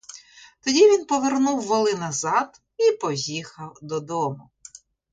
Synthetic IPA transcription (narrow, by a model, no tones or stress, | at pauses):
t̪ɔdʲiʋʲinpɔʋernuwːɔlˠɪnɐzɑd̪ | ipɔjʲixɐwd̪ɔd̪ɔmʊ